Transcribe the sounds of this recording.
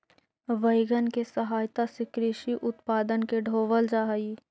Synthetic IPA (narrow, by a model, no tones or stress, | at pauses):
ʋəɪɡənkesəɦaːjt̪asɪkɾiːʃiʔʊt̪paːd̪ənkeɖʱoːʋəld͡ʒaːɦiː